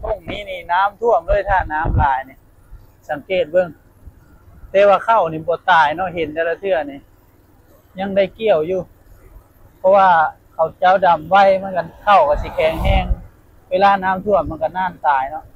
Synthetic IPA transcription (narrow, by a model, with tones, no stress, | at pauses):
ko˧˩˨ŋniː˧˥˨niː˧˩naː˧˥˨mt̪ʰu˧˥˩əmlɤː˧˨jt̪ʰaː˧˩naː˧˥˨mlaː˨˦jni˧˨ | sa˨˦ŋkeː˧˩t̪̚bɤ˧˨ŋ | t̪ɛː˧˦waː˧kʰa˧˩wniː˨˦bɔː˨˦t̪aː˨˩jnɔ˧˥˨ɦe˨˦nt̪a˧˦la˧t̪ʰɯ˧˩ɐni˧˨ | ɲa˧˥˨ŋda˧˥˩jki˧˩əwjuː˧˩ | pʰɔ˧waː˧ | kʰa˨˩wt͡ɕa˧˥˨wda˨˩mwa˧˨jma˧˥˨nka˧˨nkʰa˧˩wka˧˩si˧˦kʰɛː˨˩ŋɦɛː˧˥˨ŋ | weː˧laː˧˨naː˦˥mt̪ʰu˧˩əmːa˧˥˨ka˧˨naː˧˥˨nt̪aː˨˩jnɔ˧˦˨ʔ